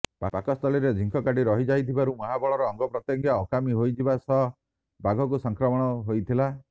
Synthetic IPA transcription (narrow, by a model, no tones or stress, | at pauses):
papakɔst̪ʰɔliɾed͡ʒʱiŋkʰɔkaɖiɾɔɦid͡ʒajt̪ʰibaɾumɔɦabɔɭɔɾɔːŋɡɔpɾɔt̪jɔŋɡjaɔkamiɦojd͡ʒibasɔɦ | baɡʱɔk̬usɔŋkɾɔmɔɽ̃ɔɦojt̪ʰila